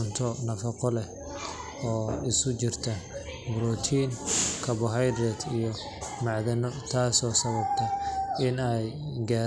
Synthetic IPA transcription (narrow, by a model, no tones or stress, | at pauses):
ʊnt̪ʰɔnɐfɐqɔlɛ | ɔːɪsʊt͡ʃɪrt̪ʰɐ | bɾɔːt̪ʰiːnkʰɐbɔɦajd̪ɾɛd̪ijɔ | mɑʕðɐnɔt̪ʰaːsɔːsɐβɐbt̪ʰɐɪnɛjɡaː